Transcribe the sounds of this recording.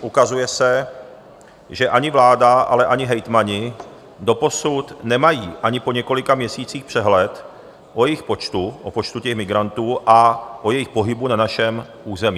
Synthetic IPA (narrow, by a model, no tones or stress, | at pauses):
ʔukazujɛsɛ | ʒɛʔaɲɪvlaːdaʔa̰lɛʔaɲɪɦɛjt̪maɲɪ | do̞po̞sut̪nɛmajiːʔaɲɪpo̞ɲɛko̞lɪkamɲɛsiːt͡siːxpr̥ɛɦlɛt̪ | ʔojɛjɪxpot͡ʃt̪uʔopo̞t͡ʃt̪ucɛxmɪɡɾant̪uːʔaʔojɛjɪxpo̞ɦɪbunanaʃɛmʔuːzɛmiː